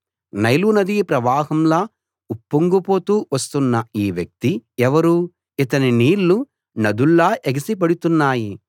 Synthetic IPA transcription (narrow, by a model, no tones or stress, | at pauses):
nɐjlunɐd̪ipɾɐʋaːɦɐmlaː | upːuŋɡupo̞ːt̪uːʋɐst̪unːɐiːʋjɐk̚t̪iɛʋɐɾuː | it̪ɐniniːɾːu | nɐd̪uɭːaːʔeɡisip̬ɐɽut̪unːaːji